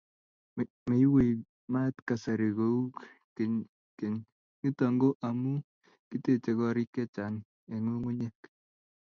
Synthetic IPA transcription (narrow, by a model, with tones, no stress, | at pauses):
me˨i˦we˨i˨ | ma˦tka˨sa˨ɾi˨ɡo˨u˦k | ke˨ɲ | ki˦tɔ˨ŋɡo˦ʔa˨mu˦ | ki˦te˦t͡ʃe˨kɔ˦ɾi˦kɛ˦t͡ʃa˨n | e˨ŋu˦ŋu˦ɲe˦k